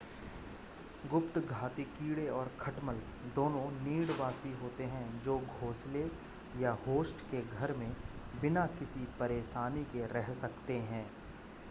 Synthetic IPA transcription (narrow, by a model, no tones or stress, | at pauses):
ɡʊpt̪ɡʱaːt̪ikiːɽeɔːɾkʰɐʈməl | d̪oːnõniːɽʋaːsiɦoːt̪eɦɛ̃d͡ʒoːɡʱoːsle | jahoːsʈkeɡʱɐɾmẽbɪnakɪsipɐɾeːʃaːnikeɾɛɦsɐkt̪eɦɛ̃ː